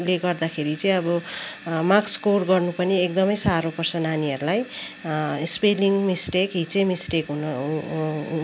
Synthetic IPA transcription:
leɡʌrd̪akʰeɾit͡sʌ̃ĩʌbʌmakskorɡʌrnupʌniekd̪ʌmʌjsaɾopʌrsʌnaniʌɾulaj | speliŋmisʈekɦit͡sejmisʈekɦunʌ

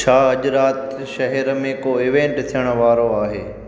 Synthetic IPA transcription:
t͡ʃʰaːɐʄɾaːt̪ | ʃɐɦɛɾmẽkoɪʋẽɳʈt̪ʰijəɽ̃ə̆ʋaːɾoaːɦḛː

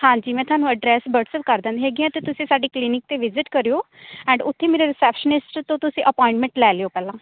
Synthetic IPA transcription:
hãːd͡ʒiːmɛ̃ːt̪ʊɦaːnũːəɖɾɛːsbəʈsəpkəɾd̪ãːnd̪ɦeːɡiãːt̪eːt̪ʊsĩːsaːɖiːklinɪk̚t̪eːʋɪzɪʈkəɾijoː | ɛ̃ːɳɖʊt̪ʰːẽːmeːɾeɾɪsɛːpʃənɪsʈt̪õːt̪ʊsĩːʔəpɔ̃ːɪ̃ɳʈmɛ̃ɳʈlɛːleoːpɛːlãː

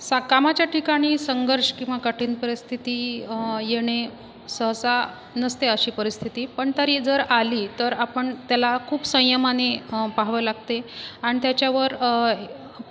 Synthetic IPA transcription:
sakamat͡ɕjaʈʰikaɽ̃iːsəŋɡəɾʂkĩw̃ʋakəʈʰiːnpəɾist̪ʰit̪iːjeɽ̃e | səɦsa | nəst̪eəɕiːpəɾist̪ʰit̪iːpəɳt̪əɾid͡zəɾaliːt̪əɾapəɳt̪jalakʰuːbsə̃j̃jəmanepaɦʋəlaɡ̚t̪eaɽ̃it̪jat͡ɕjaʋəɾ

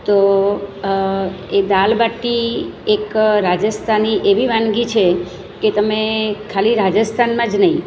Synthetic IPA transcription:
t̪o | ed̪albaʈːiekɾad͡ʒəst̪ʰaniʔeʋiʋãnɡit͡ʃʰe | ket̪əmekʰːaliɾad͡ʒəst̪ʰanmãd͡ʒnəɦĩ

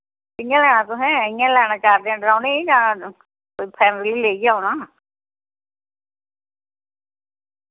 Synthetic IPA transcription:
ɪjãːlɛːñaːt̪ʊɦɛ̃ːɪjãːlɛːɽ̃aːt͡ʃaːɾd̪ẽãːɖɾaːneːd͡ʒãː | koːipʰɛːmeliːleːijaːɦoːnaː

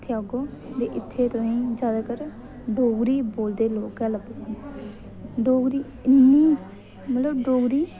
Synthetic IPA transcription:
t̪ʰːeaɡoːt̪eːʔɪt̪ʰːeːt̪ʊĩːd͡ʒaːd̪aːkəɾ | ɖoːɡɾiːboːld̪eːloːkɛːləb | ɖoːɡɾiː | ɪnːiː | mət̪ləbɖoːɡɾiː

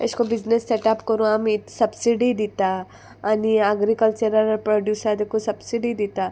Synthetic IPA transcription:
ɪ̰skobid͡ʒnesːeʈaːpkɐɾũamit̪sɐbsiɖid̪it̪a | aniaɡɾikəlt͡ʃəɾəɾɐɾpɾoːɖjuːsad̪ekosɐbsiɖid̪it̪a

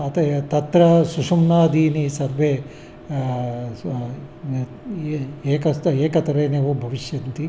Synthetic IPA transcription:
ɐt̪ɐt̪ɐt̪ɾɐsuʂumnaːd̪iːnisɐɾʋeː | eːkɐseːkɐt̪ɐɾeːneʋubʱɐʋiʃjɐnt̪i

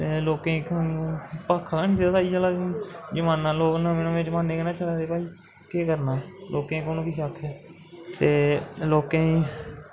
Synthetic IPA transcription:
t̪eːloːkẽːk | paːkʰːakaːniːt̪ːaːt̪aːiːd͡ʒaːlaːd͡ʒəmaːnːãːloːknãːmẽːnõːẽːd͡ʒəmaːneːkənãːt͡ʃəlaːd̪eːpaːiː | keːkəɾnaːlʔoːkẽːkoːnõːkiːʃəkʰːɛː | t̪eːloːkẽːĩː

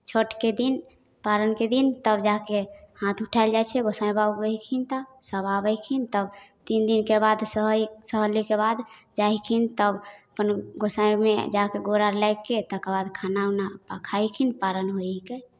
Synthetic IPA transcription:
t͡ʃʰoʈked̪in | paɾənked̪int̪əbd͡ʒakehãt̪ʰuʈʰaɪld͡ʒajt͡ʃʰɛɡosajbauɡəɦikʰint̪asəbabəkʰint̪əbt̪ind̪inkebad̪səɦsəɦəlikebad̪d͡ʒaɦikʰint̪əbəpənɡosajmḛd͡ʒakeɡoɾaɾlajkːet̪əkebad̪kʰanaunapakʰajkʰinpaɾənɦojke

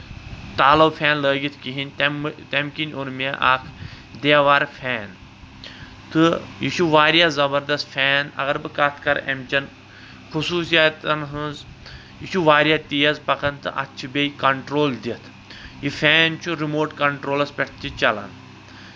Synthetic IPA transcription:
t̪aːlɐwfʰʲɛːnləːɡit̪ʰkiɦinʲt̪emt̪emkinʲuɾmeʔaːkʰ | d̪eːʋaːɾfʰʲɛːn | t̪ɨjiʃuʋaːɾjazɐbɐɾd̪ɐst̪fʲɛːnɐ̰ɣɐɾbɨkat̪ʰkɐɾɐ̰mt͡ɕɐn | xusuːsijat̪ɐnɦɨ̃nz | jiʃuʋaːɾʲjat̪ijɐzpɐkɐnt̪ɨʔɐ̰t̪ːt͡ʃʰibʲeikɐɳʈɾoːld̪ʲit̪ʰ | jifʲɛːnt͡ʃuɾimoːɾʈkɐɳʈɾoːlɐspʲɛʈʰt̪it͡ʃɐla̰n

